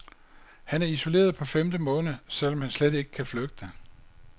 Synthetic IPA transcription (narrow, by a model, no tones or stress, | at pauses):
hænæɐiso̝le̝̰ːɐðˠpʰɒ̽femd̥əmɔ̽ːnðəsel̰ɒ̽mhænslede̝ɡ̥ə̥kʰæfløɡ̥̚d̥ə